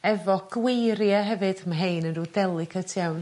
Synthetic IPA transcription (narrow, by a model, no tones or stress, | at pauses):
ɛvɔɡ̥wejɾjaɦɛvɨd̥əmaɦejnənrudɛlˠɨkʰətʰjawn